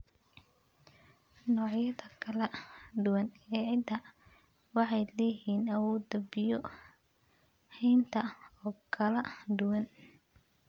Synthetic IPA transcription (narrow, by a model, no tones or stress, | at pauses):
nɔːʕjɐðɐkʰɐlɐɖ̪ʊwɐnɛːʕɪd̪ɐ | wɑħɑjlɛjiːnɐwuːd̪ɐbɪjɔ | hɛjnt̪ʰɐɔːkʰɐlɐd̪ʊwɐn